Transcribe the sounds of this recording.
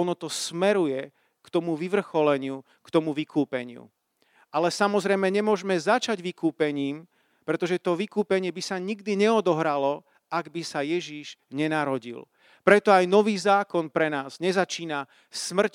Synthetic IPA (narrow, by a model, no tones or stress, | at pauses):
ɔnɔt̪ɔsmɛɾujɛ | kt̪ɔmuʋiʋr̩xɔlɛɲɪu | kt̪ɔmuʋikʰuːpɛɲɪṵ | alɛsamɔzɾɛjmɛɲɛmʊɔʒmɛzat͡ʃaɟʋikuːpɛɲiːm | pɾɛt̪ɔʒɛt̪ɔʋikuːpɛɲɪɛbisaɲiɡd̪iɲɛɔd̪ɔɦɾalɔ | aɡbisajɛʒiʒɲɛnaɾɔɟḭl | pɾɛt̪ɔajnɔʋiːzaːkɔnpɾɛnaːzɲɛzat͡ʃiːna | smr̩c